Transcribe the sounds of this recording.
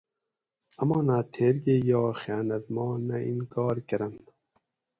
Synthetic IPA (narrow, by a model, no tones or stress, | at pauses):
ɐmɔːnat̪ʰeːɾɡejɑːxaːnɐt̪mɔːnɐʔḭnkɑːɾkɐɾɐn